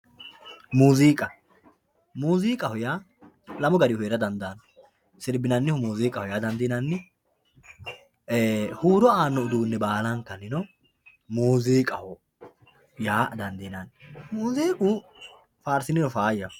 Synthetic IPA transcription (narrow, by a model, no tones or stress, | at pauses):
muːziːkʼɐ | muːziːkʼɐhɔjaː | lɐmɔɡɐɾɪhʊeːɾɐd̪ɐnd̪an | sɪɾbɪnɐnːɪhʊmuːziːkʼɐhɔjaːd̪ɐnd̪iːnɐnːɪ | huːɾɔaːnːɔʊd̪uːnːɛbaːlɐŋkːɐnɪnɔ | muːziːkʼɐhɔ | jaːd̪ɐnd̪iːnɐnmuːziːkʼuː | faːɾsɪnɪnɔfaːjɐ